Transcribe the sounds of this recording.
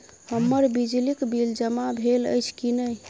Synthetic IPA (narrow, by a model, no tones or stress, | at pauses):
həmːəɾbid͡ʒlikbild͡ʒəmabʱelə̰jt͡ʃʰkinəj